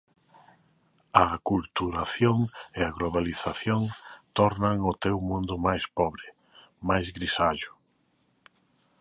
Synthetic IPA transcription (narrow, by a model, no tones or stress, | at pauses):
ɐkult̪uɾaθjoŋɪaɣloβaliθaθjoŋt̪ɔɾnaŋʊt̪ewmũnd̪ʊmajspɔβɾɪ | majzɣɾisaʎʊ̥